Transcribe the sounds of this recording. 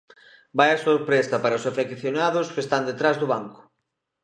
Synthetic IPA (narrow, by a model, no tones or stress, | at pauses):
bajɐsoɾpɾesɐpaɾɐosafekθjonaðʊskest̪and̪et̪ɾazðʊβaŋkʊ̥